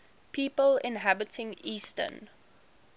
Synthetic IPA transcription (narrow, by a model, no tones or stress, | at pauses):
pʰiːpəlɪ̰̃nɦæbɪtɪ̃ŋiːstə̰n